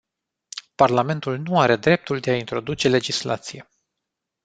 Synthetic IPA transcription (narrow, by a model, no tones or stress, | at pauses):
parlame̞nt̪ulnuaɾe̞d̪ɾe̞p̚t̪uld̪e̞aint̪ɾo̞d̪ut͡ʃe̞le̞d͡ʒisla̰t̪sije̞